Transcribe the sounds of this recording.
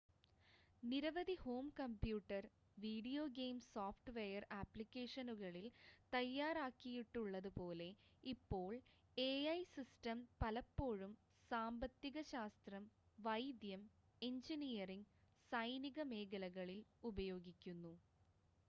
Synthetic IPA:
niɾɐʋɐd̪iho̞ːmkɐmpjuːʈːɐr | ʋiːɖijo̞ːɡeːmsaːfʈʋejɐraːpːlikʲːeːʂɐnuɣɐɭilt̪ɐjːaːɾaːkːijiʈːuɭːɐðupo̞ːle̞ipːo̞ːɭ | eɐjsistɐmpɐlɐpːo̞ːɻum | saːmbɐt̪ːiɣɐɕaːst̪rɐm | ʋɐjd̪jɐm | e̞ɲd͡ʑinijɐriŋ | sɐjniɣɐme̞ːɣɐlɐɣɐɭilubɐjo̞ːɡikʲːunːu

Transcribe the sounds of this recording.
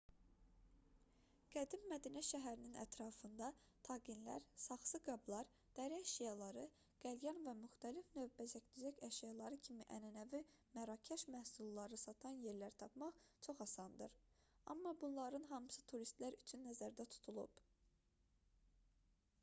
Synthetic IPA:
ɡ̥æd̪imːæd̪inæʃæɦæɾininʔæ̰t̪ʰɾɑːfɯnd̪ɑ | t̪ʰɑɡinlæ̰ɾsɑχsɯɡɑblˠɑɾ | d̪̥æɾiæʃjɑlˠɑɾɯ | ɡ̥æljɑnvæmyxt̪ælifnø̞vbæzæcd̪yzæcæʃjɑlˠɑɾɯcʰimiʔænænævi | mæɾɑcʰæʃmæhsulˠːɑɾɯsɑt̪ʰɑnje̞ɾlæɾt̪ʰɑpmɑχt͡ʃʰo̞χɑsɑnd̪ɯ̰ɾ | ɑ̰mːɑbunlˠɑɾɯnɦɑmɯsɯt̪ʰuɾist̪læɾyt͡ʃʰynːæzæɾd̪æt̪ʰu̥t̪ʰulˠṵb

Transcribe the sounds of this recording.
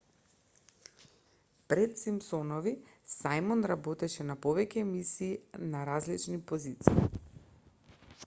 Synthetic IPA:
pɾɛt̪simpsɔnɔvi | sajmɔnɾabɔt̪ɛʃɛnapɔvɛcɛːmisiːnaɾazlit͡ʃnipozit̪siː

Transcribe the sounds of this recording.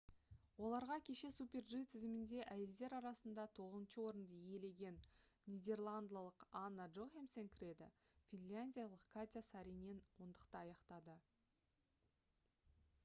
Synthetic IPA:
wo̞lˠɑɾʁɑkʲʰe̞ʃe̞supʲe̞rʒit̪ʰɪzɪmɪnd̪e̞ʔæje̞ld̪e̞ɾɑɾɑsənd̪ɑt̪ʰo̞ʁəzənʃəwo̞ɾənd̪əje̞le̞ɡʲe̞nːʲijd̪ʲe̞rlˠand̪alˠəqanːaʒoxemseŋkʲʰɾʲe̞d̪ɪ̰fʲinlʲanʲdʲijalˠəqkʰat̪ʲasaɾijne̞nwo̞nd̪əqt̪əɑjɑqt̪ɑd̪ə

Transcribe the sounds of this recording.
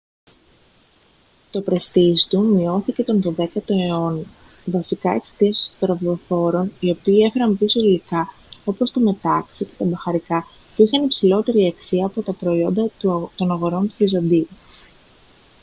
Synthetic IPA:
t̪o̞pɾɐst̪ist̪umio̞θice̞t̪o̞nðo̞ðe̞kɐt̪o̞eo̞n | vɐsikɐe̞kse̥t̪iɐst̪od̪ɾɐvðo̞fo̞ɾo̞nio̞piːe̞fe̞ɾɐmpiso̞ilikɐ | o̞po̞st̪ome̞t̪ɐksice̞t̪ɐbɐxɐɾikɐ | puixɐnipsilo̞t̪e̞ɾiɐksiɐːpo̞t̪ɐpɾo̞io̞nd̪ɐt̪o̞nɐɣo̞ɾo̞nt̪uvizɐnd̪iu

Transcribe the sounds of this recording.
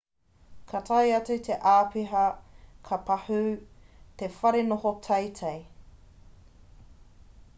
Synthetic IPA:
kʰɐtʰɐjɐt͡sʉtʰeʔaːpiɦɐkʰɐpɐhʉtefɐɾenohotʰɐjtʰɐj

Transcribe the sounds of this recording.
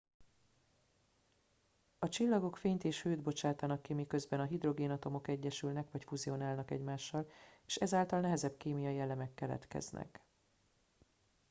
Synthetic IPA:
ɒt͡ʃilːɒɡo̞kfeːɲt̪eːʃhøːd̪bo̞t͡ʃaːt̪ɒnɒkːimikø̞zbɛnɒɦid̪ro̞ɡeːnɒt̪o̞mo̞kɛɟːɛʃylnɛkʋɒcfuzio̞naːlnɒkɛ̰ɟmaːʃːɒleːʃɛzaːlt̪ɒlnɛɦɛzɛbkeːmijɒiɛlːɛmɛkːɛlɛ̰t̪kɛ̰z̥nʔɛ̰k

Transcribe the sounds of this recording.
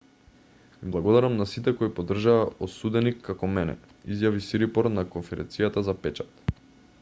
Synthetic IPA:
viblˠaɡɔd̪aɾamnasit̪ɛkoipɔd̪r̩ʒaːosud̪ɛnikʰːakɔmɛnɛ̰ | izjavisiɾipɔɾnakonfɛɾɛ̰nt̪sijat̪azapɛt͡ʃḁt̪

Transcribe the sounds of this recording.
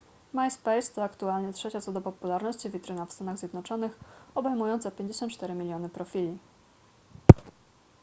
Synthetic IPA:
majspɛjst̪ɔakt̪ualɲɛtʂɛt͡ɕat̪sɔd̪ɔpɔpulaɾnɔɕt͡ɕivʲit̪ɾɘnafst̪anaɣzʲjɛd̪nɔt͡ʂɔnɘxɔbɛjmujɔnt̪sɛpʲjeɲd͡ʑeɕɔnt̪̚t͡ʂt̪ɛɾɘmʲilʲjɔnɘpɾɔfʲilʲi

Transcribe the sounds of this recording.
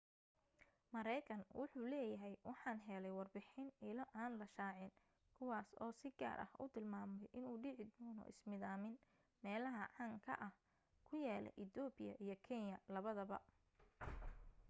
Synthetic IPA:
mɐɾɛjkʰɐnwʔʊħuːlɛːjɐɦɛjwʔɑħɑːnɦɛlɛjwɑrbɪħɪnɪlɔʔaːnlɐʃaːʕɪn | kʰʊwaːsɔːsɪɡa̰ːrʔɐ̰hʔʊ̰t̪ʰɪlmaːmɛjʔɪnuːɖɪʕɪd̪ɔːnɔ̰ʔɪ̰smɪðaːmɪn | mɛːlɐɦɐʕɑːŋkʰɐ̰ʔɐh | kʰʊjaːlɛ̰ʔɪt̪ɔːbɪjɐ̰ʔijɞkʰɛnjɐlɐβɐðɐβɐ

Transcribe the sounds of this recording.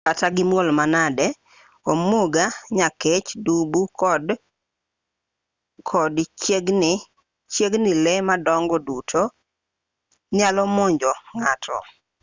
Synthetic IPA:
kataɡɪmwolmanadɛ | omoɡaɲaket͡ʃdubukd | kʰɔdt͡ʃeɡnɪ | t͡ʃeɡnɪlɛmadɔŋɡɔdutʰo | ɲalɔmoɲd͡ʒɔŋatʰɔ̰

